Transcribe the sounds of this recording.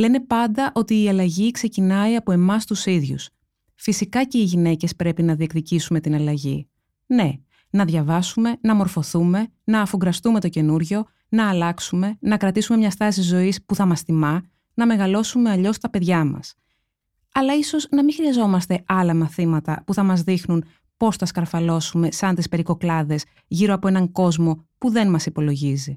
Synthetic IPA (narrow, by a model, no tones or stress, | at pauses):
le̞ne̞pɐnd̪ɐʔo̞t̪iːɐlɐʝikse̞cinɐiɐpo̞e̞mɐst̪usiðʝṵs | fisikɐce̞iʝine̞ce̞spɾe̞pinɐðie̞kt̪icisume̞t̪inɐlɐʝḭ | ne̞ | nɐðʝɐvɐsume̞nɐmo̞ɾfo̞θume̞nɐːfoɡɾɐst̪ume̞t̪o̞ce̞nuɾʝo̞ | nɐːlɐksume̞nɐkɾɐt̪isume̞mɲɐst̪ɐsizo̞ispuθɐmɐsθimɐ | nɐme̞ɣɐlo̞sume̞ɐʎo̞st̪ɐpe̞ðʝɐmɐ̰s | ɐlɐiso̞znɐmixɾiɐzo̞mɐst̪e̞ɐlɐmɐθimɐt̪ɐ̰puθɐmɐzðixnun | po̞sθɐskɐɾfɐlo̞sume̞sɐnt̪ispe̞ɾiko̞klɐðe̞s | ʝiɾoɐpoe̞nɐŋko̞zmo̞puðe̞nmɐsipo̞lo̞ʝizi